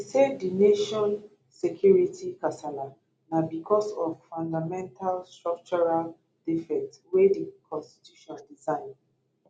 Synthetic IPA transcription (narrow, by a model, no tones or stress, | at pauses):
isedineʃɔ̃n | sekʰjuɹitʰikasala | nabikʰɔsɔvfãndamɛ̃ntʰalstɹɔk̚t͡ʃɔɹal | d̥ifɛk̚twedikʰɔ̃nsti̥tʰjuʃɔ̃ndizãɪ̃n